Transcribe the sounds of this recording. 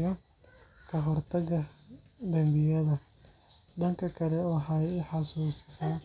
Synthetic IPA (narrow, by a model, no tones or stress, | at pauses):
ɣɐ | kʰɐɦɔrt̪ʰɐɣɐ | d̪ɐmbɪjɐðɐ | ɖɐŋkʰɐkʰɐlɛwɑħɑjħɑsuːsɪ̥saː